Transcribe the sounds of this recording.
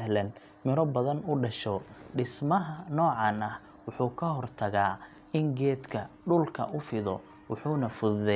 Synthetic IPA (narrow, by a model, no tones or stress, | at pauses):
ɦlɛn | mɪɾɔbɐðɐnʊɖɐʃɔɖɪsmɐɦɐnɔːʕɑnɐh | wʊħuːkʰɐɦɔrt̪ʰɐɣaː | ɪŋɡɛːd̪kʰɐɖʊlkʰɐ̰ʔʊfɪðɔ̰ | wʊħuːnɐfʊððɛ